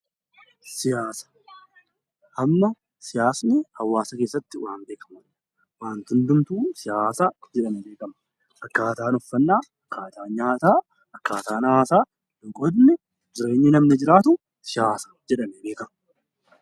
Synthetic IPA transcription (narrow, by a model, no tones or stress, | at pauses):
sɪjaːsɐ̥ | ʔɐmːɐ | sɪjaːsnɪhɐwːaːsɐkeːsːɐt̪ːɪwaːnbe̞ːkɐ̥mɐn | waːnt̪ʊnd̪ʊmt̪uːsɪjaːsad͡ʒɛᶑɐmɛbe̞ːkɐmɐ | ʔɐkːaːt̪aːnɔfːɐnːaːɐkːaːt̪aːnɲaːt̪aː | ɐkːaːt̪aːnaːsaː | dʊŋkʼɔd̪nɛ | d͡ʒɪɾe̞ːɲːɪnɐmnɪd͡ʒɪɾaːt̪ʊ | sɪjaːsɐ̥d͡ʒɛᶑɐmɛbeːkɐmɐ